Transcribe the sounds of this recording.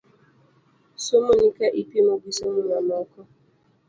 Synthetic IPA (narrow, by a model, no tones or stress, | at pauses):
somonikaʔipimoɡisomʊmanɔkɔ